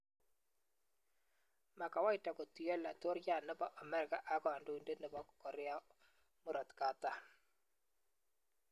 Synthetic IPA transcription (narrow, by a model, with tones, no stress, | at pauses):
ma˨ka˨wa˦i˦ta˨ko˨ti˨jɔ˦la˨to˦ɾja˦˨nɛ˦bɔ˦ʔa˨mɛ˦ɾɪ˨ka˨ʔa˨kɔ˨a˨ndo˦i˨nde˦ne˨bɔ˦kɔ˨ɾɛ˦a˦ | mu˦ɾɔ˨tka˨˦ta˦